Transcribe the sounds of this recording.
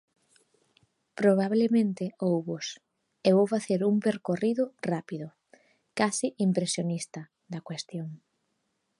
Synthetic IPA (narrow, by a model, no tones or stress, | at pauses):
pɾoβ̞aβlemẽnt̪ɪowβʊs | eβowfaθeɾumpeɾkoriðʊrapiðʊ | kasiʔimpɾesjonist̪ɐ | d̪ɐkwest̪joŋ